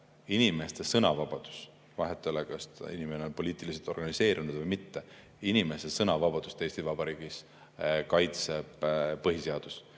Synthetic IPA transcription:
inime̞st̪esɤnɑvɑb̥ɑd̪̥u̥s | vɑɦet̪ːˑelekɑst̪ḭnimeneo̞npo̞liːt̪ˑilis̬et̪o̞rɡ̥ɑnise̞ːɾʔinud̪̥vɤjmit̪ːe̞ | inimest̪esɤnɑvɑb̥ɑd̪̥ust̪e̞jst̪ivɑb̥ɑɾiːɡ̥is | kɑjt̪se̞b̥pɤɦiseɑd̪̥us

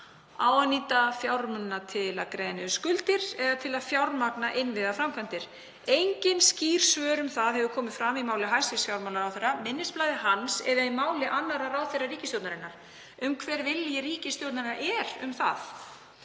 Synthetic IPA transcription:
a̰ːwanːiːt̪afjawɾmʏnːat̪ʰɪla̰ðkɾeːðnɪʏskʏlt̪ɪɾɛðat̪ʰɪlaðfjawɾmaknaʔɪnvɪðafɾamkʰant̪ɪɾ̥ | ejɲcɪnsciːr̥svœːɾʏmθaðhɛvʏkʰɔːmɪðfɾamimaːwlɪɦajsɪsfjawɾmawlnaɾawθejrːamɪnːɪsplajðɪɦansɛðaimaːwlɪʔanːaɾaɾawθejrːariːcɪst̪jowt̪naɾɪnːaɾ̥ | ʏmkʰvɛːɾvɪljɛriːcɪst̪jowt̪naɾɪnaʔɛɾʏ̰mθa̰θ

